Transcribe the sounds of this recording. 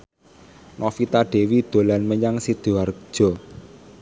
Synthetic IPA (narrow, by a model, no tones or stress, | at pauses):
nɔfit̪aɖ̥e̤wid̪̥o̤lanməɲaŋsid̪̥uar̥̚ʒ̥ɔ̤